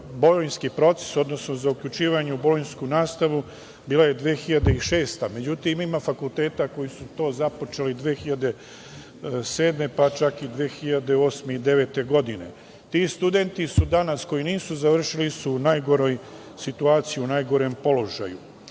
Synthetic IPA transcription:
bo̞lojnskipɾo̞t̪se̥so̞d̪no̞sno̞zaukʎut͡ʃiːʋaɲeubo̞lojnskunaːst̪aʋu | biːlaje̞d̪ʋeːxiʎad̪eiʃe̞ːst̪ame̞d͡ʑut̪imimafakult̪e̞ːt̪ako̞jisut̪o̞ːzapo̞t͡ʃelid̪ʋeːxiʎad̪e̞ | se̞ːd̪me̞pat͡ʃakid̪ʋeːxiʎad̪eo̞ːsmeid̪e̞ʋe̞ːt̪e̞ɡo̞d̪ine̞̰ | t̪ist̪ud̪e̞nt̪isud̪anasko̞jiniːsuzaʋr̩ʃilisunajɡo̞ɾo̞j | sit̪uaːt̪sijiunajɡo̞ɾempo̞lo̞ʒa̰ju

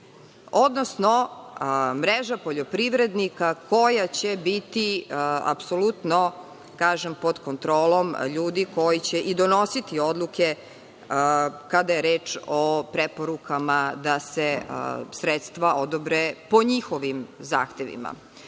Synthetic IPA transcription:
od̪nosno | mɾeʒapoʎo̞pɾiʋɾed̪nikakojat͡ɕebit̪ia̰psolut̪no̞ | kaːʒempo̞d̪kont̪ɾoːlˠo̞mʎuːd̪iko̞jit͡ɕeʔid̪o̞nosit̪io̞d̪lˠuke̞ | kad̪ajeɾeːt͡ʃopɾepo̞ɾukamad̪asesɾet̪st̪ʋaʔo̞d̪obɾepo̞ɲixoʋimza̰ːxt̪eʋḭma̰

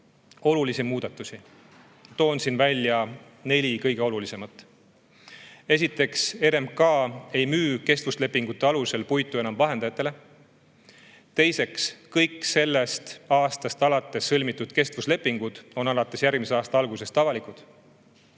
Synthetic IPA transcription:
o̞lulisimuːd̪̥ɑt̪ːˑusi | t̪o̞ːnsinvælʲːjɑ | ne̞lʲikɤjɡ̥e̞o̞lulise̞mɑt̪ːˑ | e̞s̬it̪ːˑe̞kse̞ɾemkɑːe̞jmyːke̞st̪vusle̞pːiŋɡ̥ut̪ːˑe̞ɑluse̞lpujt̪ːˑue̞nɑmvɑɦe̞nd̪ɑjɑt̪ːˑe̞le̞ | t̪e̞jse̞kskɤjkːˑse̞lːe̞st̪ɑːst̪ɑst̪ɑlɑt̪ːˑe̞sːɤlʲmit̪ːˑud̪̥ke̞st̪vusle̞pːˑiŋɡ̥ud̪̥o̞nɑlɑt̪ːˑe̞sjærɡ̥miseɑːst̪ɑɑlɡ̥use̞st̪ɑvɑlikud̪̥

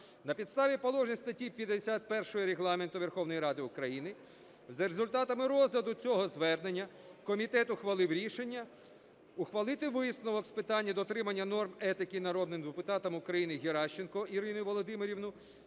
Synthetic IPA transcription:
nɐpʲid̪st̪ɑʋʲipɔlˠɔʒnʲist̪ɐtʲipʲjɐd̪esʲat̪̚pɛrʃɔɦɔɾeɦlˠɑment̪ʊʋerxɔwnɔjɾɑd̪ɪʊkɾɐjinɪ | zɐɾezʊlʲt̪ɑt̪ɐmɪɾɔzlʲɐd̪ʊt͡sʲɔɦɔzʋɛrne̞nʲːɐ | kɔmʲit̪ɛt̪ʊxʋɐlˠɪwɾʲiʃenʲːɐ | ʊxʋɐlˠɪt̪ɪʋɪsnɔʋɔkspɪt̪ɑnʲːɐd̪ɔt̪ɾɪmɐnʲːɐnɔrmɛt̪ɪkinɐɾɔd̪nɪmd̪epʊt̪ɑt̪ɐmʊkɾɐjinɪɦʲeɾɑʃt͡ʃenkɔiɾɪnʊjʊʋɔlˠɔd̪ɪmeɾʲiʋnʊ

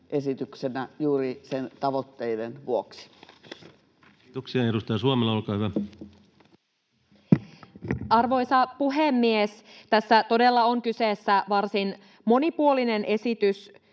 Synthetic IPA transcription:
ʔesit̪yksenæjuːɾisent̪ɑʋot̪ːeidenʋuoksi̥ | t̪oksiɑedust̪ɑjɑsuomelːɑolkɑːhyʋæ | ɑrʋo̞jsɑpuɦemːiest̪æsːæt̪o̞de̞lːɑoŋkyseːsːæʋɑrsin | mo̞nipuoline̞nʔe̞sit̪ys

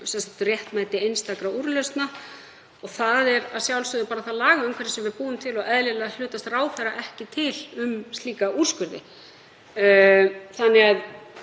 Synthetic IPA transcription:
sɛnsḁt̪ʏrjɛht̪maːjt̪ɪejnst̪akɾauɾʏlœst̪na | ɔɣθaðɛɾaðsjawlsʏðʏpaːɾaθaðlaːɣaʏmkʰvɛɾɪsɛmvɪðpuːʏmt̪ʰɪlɔɣɛðlɪlɛɣal̥ʏːt̪ast̪raːwfɛɾaʔɛhcɪt̪ʰɪlʏmst̪liːkaʔur̥skʏɾðɪ̰ | θanːɪɣað

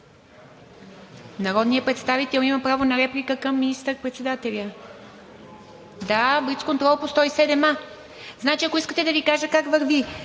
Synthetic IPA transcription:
nɐɾɔd̪nijəpɾɛt̪st̪avit̪ɛlˠimɐpɾavonɐɾɛplʲikəkəmːinist̪əɾpɾɛt̪sɛd̪at̪ɛlʲə | d̪abɾit̪skont̪ɾɔlˠpost̪ɔisɛd̪ɛma | znat͡ʃiɐkoiskət̪ɛd̪ɐvikaʒəkakvəɾvi

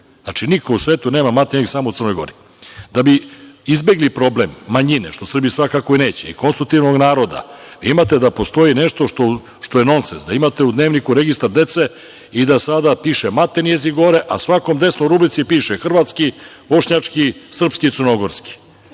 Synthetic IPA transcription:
at͡ʃinikousʋeːt̪une̞ːmamat̪ejeisamout̪ər̩no̞jɡo̞̰ɾi | d̪abiizbe̞ɡlipɾo̞blemːaɲineʃt̪o̞sr̩bijisʋakakoine̞ːt͡ɕḛḭkonst̪ɾuk̚t̪iʋno̞ɡnaːɾo̞d̪a̰ʋiimat̪ed̪apo̞st̪o̞jineʃt̪o̞ʃt̪o | ʃt̪o̞je̞no̞nsenzd̪aimat̪e̞ud̪neːʋnikuɾe̞ɡist̪aɾd̪e̞t̪se̞ | id̪asad̪apiʃemat̪enjeziɡo̞ɾeʔa̰sʋako̞md̪e̞snoɾubɾit̪sipiːʃexr̩ʋat̪ski | bo̞ʃɲat͡ʂkisr̩pskit̪sərɾno̞ɡoɾski̥

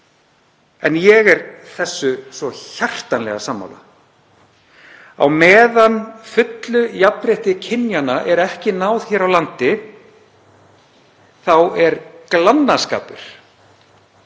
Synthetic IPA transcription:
ɛnjɛɣɛɾθɛsːʏsvɔçar̥t̪anlɛ̰ɣasaːmːa̰wla̰ | a̰wmɛːðanfʏt̪lʏjapɾɪht̪ɪcʰɪnjanaʔɛɾɛhcɪnaːwðçɛːɾawlant̪ɪ | θawɛɾklanːaska̰ːpʏ̰ɾ̥

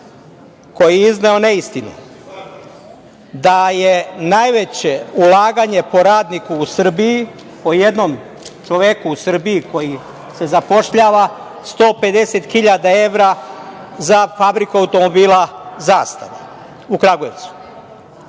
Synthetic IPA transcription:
ko̞jiizneo̞ne̞ist̪inḛ | d̪aje̞najʋet͡ɕe̞ulaːɡaɲe̞po̞ɾaːd̪nikuːsr̩biji | po̞je̞d̪no̞m | t͡ʃoʋekuusr̩biiko̞ji | se̞zapo̞ʃʎaːʋa | st̪o̞ːpe̞d̪e̞set̪xiʎad̪ae̞ʋɾa | zafabɾikuawut̪o̞mo̞biːlˠazaːst̪aʋa | ukɾaɡojeʋt̪su̥

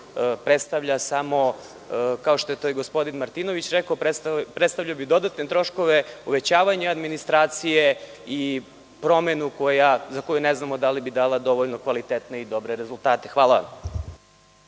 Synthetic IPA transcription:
pɾet̪st̪aʋʎasamo̞ | kaoʃt̪o̞jet̪ojeɡospo̞d̪inmaɾt̪ino̞ʋit͡ɕɾekaoppɾet̪st̪aʋʎaobid̪o̞d̪at̪net̪ɾo̞ʃko̞ʋeuʋe̞t͡ɕaːʋaɲead̪minist̪ɾaːt̪sijei | pɾo̞menuko̞jazako̞juneznamo̞d̪alibid̪aːlˠad̪o̞ʋoʎno̞kʋalit̪et̪ne̞id̪o̞bɾeɾezulˠt̪aːt̪exʋaːlˠaʋa̰m

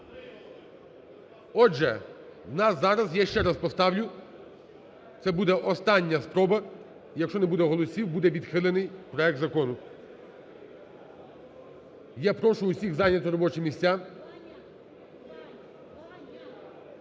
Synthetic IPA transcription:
ɔʒɛnɑsːɑɾɐzjaʃt͡ʃɛɾɐspɔst̪ɑwlʲʊ | t̪sɛbud̪ɛʔɔst̪ɑnʲːɐspɾɔbɐ | jɐkʃt͡ʃɔnɛbud̪ɛɦɔlˠɔsʲiwbud̪ɛʋʲid̪xɪlˠɪnɪjpɾɔɛk̚t̪zɐkɔnʊ | japɾɔʃʊʊsʲiɣzɑnʲɐt̪ɾɔbɔt͡ʃɪmʲisʲt͡sʲa

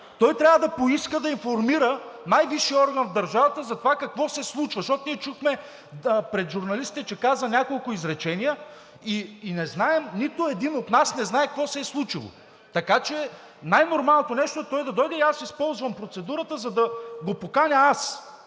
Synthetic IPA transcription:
t̪ɔjt̪ɾʲavəd̪ɐpoiskəd̪ɐinfoɾmiɾənajviʃiɔɾɡɐnvd̪ɐɾʒavɐt̪əzɐt̪ovakɐkvɔsɛslˠut͡ʃvɐʃt̪ɔt̪ʊmiɛt͡ʃuxmɛ | pɾɛt̪ʒʊɾnɐlisit̪ɛt͡ʃɛkazənʲakolˠkʊizɾɛt͡ʃɛnijə | iːnɛznaɛmnit̪ʊɛd̪inot̪nasnɛznaɛk̚kvɔsɛːslˠut͡ʃilˠo̰ | t̪ɐkat͡ʃɛ | najnoɾmalˠnot̪onɛʃt̪oɛt̪ɔjd̪ɐd̪ɔjd̪ɛiasispɔlˠzvɐmpɾot̪sɛd̪uɾət̪əzɐd̪ɐɡopokanʲɐas

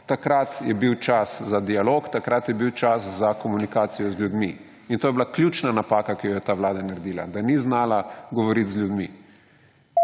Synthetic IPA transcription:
t̪akɾat̪jɛbiwt͡ʃaszad̪ialoːkt̪akɾat̪jɛbiwt͡ʃaszakɔmunikaːt̪sijɔzlʲjud̪mi | int̪oːjɛbilaklʲjuːt͡ʃnanapaːkakijɔjɛt̪aʋlaːd̪anaɾɛd̪iːla̰d̪aniznaːlaɡɔʋɔɾit̪zlʲjud̪mi

